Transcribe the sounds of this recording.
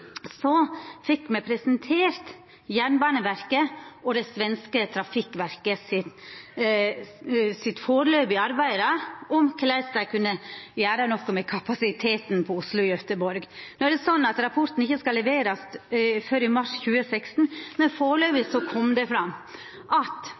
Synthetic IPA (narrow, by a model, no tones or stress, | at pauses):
sɔfɪkːmɛpʰɾɛsɛnt̪ʰeːɾt̪ | jæɳbɑnəʋæɾkəʔɔd̪ɛsʋɛnskət̪ʰɾɑfɪkːʋæɾkəsɪt̪ | sɪt̪foːɾløːbɪɑɾbæɪɾɑʔɔmkʰlæɪst̪ɑkʰʉnːəjæːɾənɔkːɔmɛkʰɑpɑsɪt̪ʰeːt̪npʰɔʊslʊɪœt̪əbɔɾɡnoːæɾɖ̪ɛsɔnːɑt̪ɾɑpʰɔɾt̪n̩ɪçːəskɑlːɛʋeːɾɑsfœɾɪmɑʂçʉːəsɛkst̪n̩mɛnfoːɾløːbəsɔkʰɔmd̪ɛfɾɑmː | ʔɑt̪